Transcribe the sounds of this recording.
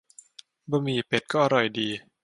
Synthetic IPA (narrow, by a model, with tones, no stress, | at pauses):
bɔː˧miː˧˩pe˨˩t̪̚kɔː˥˩ʔa˧ɾɔ˨˩jdiː˧